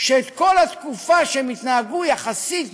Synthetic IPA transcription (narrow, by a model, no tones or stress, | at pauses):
ʃeːt̪ko̞lhat̪kufaʃemit̪naaɡujaχasit̪